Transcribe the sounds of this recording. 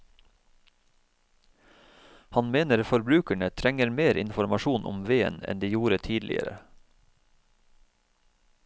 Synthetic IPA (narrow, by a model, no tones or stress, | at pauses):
hɑnmeːnəɾfɔɾbɾʉːkəɳət̪ʰɾɛŋəɾmeːɾʔɪ̰nfɔɾmɑʃuːnʔʊ̰mʋeːə̰nɛ̰nd̪eːjuːɾət̪ʰiːd̪lɪ̰ə̰ɾə̰